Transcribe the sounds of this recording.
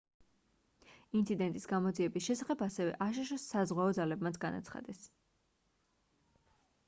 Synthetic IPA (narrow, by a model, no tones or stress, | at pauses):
int̪sʰid̪ɛnt̪ʼisɡamɔd̪ziɛbisʃɛsaχɛbasɛvɛ̰ʔaʃ̬aʃ̬ɔsːazʁwaɔd̪zalɛbmat̪sʰɡana̰t̪sʰχa̰d̪ɛs